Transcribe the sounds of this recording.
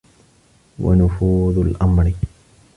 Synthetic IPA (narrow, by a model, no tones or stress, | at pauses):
wa̰nʊfuːðˤʊlʔamɾɪ